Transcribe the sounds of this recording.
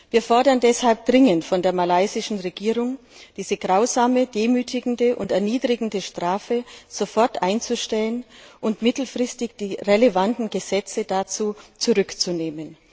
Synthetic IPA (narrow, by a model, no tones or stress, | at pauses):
viːɐfɔɐdɐndɛshalp̚d̥ʁɪŋəntfɔndeːɐmalaɪzɪʃn̩ʁeɡiːʁʊŋ | d̥iːzəɡʁaʊzaːməd̥eːmyːtʰɪɡŋ̩dəʔʊntɛɐniːdʁɪɡŋ̩dəʃtʁ̥aːfəz̥ofɔɐtʔaɪnt͡suʃtɛlənʔʊntmɪtl̩fʁ̥ɪstɪçd̥iːʁeləvantn̩ɡəzɛt͡sədat͡suːt͡suʁʏkt͡suneːmən